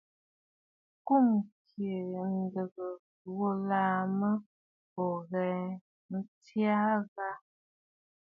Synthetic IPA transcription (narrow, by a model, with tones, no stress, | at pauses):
ku˦˨mkje˨n̩˦də˨ɣə˨ | wo˦laː˦mə˦ | ɔ˨ɣɛ˨˦ | n̩˦tja˦ɣa˦